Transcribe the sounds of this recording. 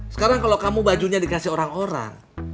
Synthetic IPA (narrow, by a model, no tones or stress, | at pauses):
sə̥kaɾaŋkalokamubad͡ʒuɲadikasɪhoɾaŋoɾa̰ŋ